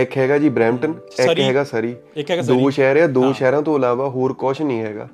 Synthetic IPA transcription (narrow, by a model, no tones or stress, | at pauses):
ɛkɦɛːɡaːd͡ʒiːbɾɛ̃ːmʈən | ɛkɦɛːɡaːsəɾiː | d̪oːʃɛːɾjãːd̪oːʃɛːɾãːt̪õːəlaːʋaːɦoːɾkɔːʃnĩːɦɛːɡa̰ː